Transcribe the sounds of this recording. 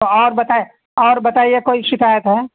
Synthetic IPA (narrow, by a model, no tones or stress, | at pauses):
oɔːɾbɐt̪ae | ɔːɾbɐt̪aːiekoːiʃɪkaːjət̪ɦɛː